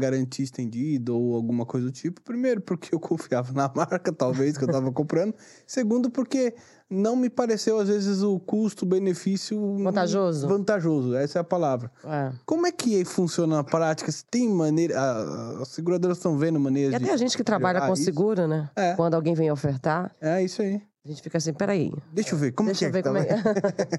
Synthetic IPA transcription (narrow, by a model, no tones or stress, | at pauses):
ɡaɾɐ̃nt͡ʃiist̪ẽnd͡ʒid̪ɐowawɡũmɐkojzɐd̪ʊt͡ʃipʊ̥pɾimejɾʊpoɾkeewkʰõfiavɐnɐmaɾkɐt̪awves̬kewt̪avɐkõmpɾɐ̃nd̪ʊ | seɡũnd̪ʊpoɾke | nɐ̃w̃mɪpaɾesewazvezɪzʊkust̪ʊbenefisjʊɐ̃t̪aʒozʊvɐ̃nt̪aʒozʊɛɛsɛɐpalavɾɐɛkõmʊɛkɪaifũsiõnɐnɐpɾat͡ʃi̥kɐsɪ̥t̪ẽj̃mɐ̃nejɾɐ̰sːɪɡuɾad̪oɾɐzt̪ɐ̃w̃vẽnd̪ʊmɐ̃nejɾɐzatd͡ʒɪɛaʒẽnt͡ʃɪ̥kɪt̪ɾabbaʎɐõisɪɡuɾɐnɛɛwɐ̃nd̪ʊawɡẽj̃vẽj̃ofeɾt̪aɾɛisai | aʒẽt͡ʃɪ̥fikɐasĩpɛɾaḭd̪eʃoveɾkõmʊekɪvekt̪aɛ